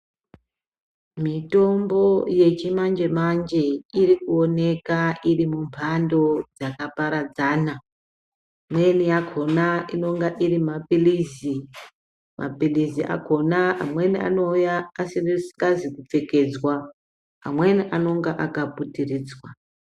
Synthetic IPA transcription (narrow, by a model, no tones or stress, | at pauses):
mito̞mbo̞je̞t͡ʃimand͡ʒe̞mand͡ʒe̞irikuone̞kairimumpʰando̞d͡zakapaɾad͡zaːna | mwe̞nijakʰo̞naino̞ŋɡaʔirimapilizi | mʔa̰pilizia̰kʰo̞naa̰mwe̞nia̰no̞ujaːsirisi̥kazikup͡fe̞ke̞d͡zwa | a̰mwe̞niʔano̞ŋɡaʔakaputiriːd͡zwa